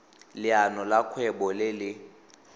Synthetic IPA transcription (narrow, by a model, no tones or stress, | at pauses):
lɪanɔlakʰwɛbɔlɪlɪ